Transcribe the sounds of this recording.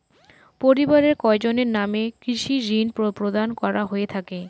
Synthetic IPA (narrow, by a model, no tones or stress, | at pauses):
poɾibaɾeɾkɔed͡ʑoneɾnamekɾiʃiɾinpopɾod̪ankɔɾaɦoet̪ʰake